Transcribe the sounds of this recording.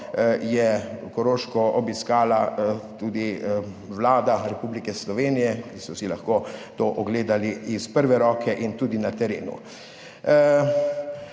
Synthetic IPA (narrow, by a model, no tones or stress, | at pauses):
jɛkɔɾoːʃkɔɔbiskaːlat̪uːd̪i | ʋlaːd̪aɾɛpuːblikɛslɔʋeːnijɛkisɔsilaxkoːt̪oːʔɔɡleːd̪aliːspəɾʋɛɾɔːkʰɛʔint̪uːd̪inat̪ɛɾeːnṵ